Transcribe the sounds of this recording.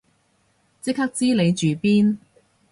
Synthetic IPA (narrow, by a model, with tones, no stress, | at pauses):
t͡sɪ˥k̚hɐ˥k̚t͡siː˥le˨˧jt͡ʃyː˨˩piː˥n